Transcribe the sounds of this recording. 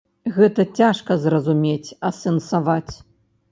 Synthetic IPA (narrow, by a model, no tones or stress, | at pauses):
ɣɛt̪ɐt͡sʲaʂkɐzrɐzumʲet͡sʲɐsɛnsavat͡sʲ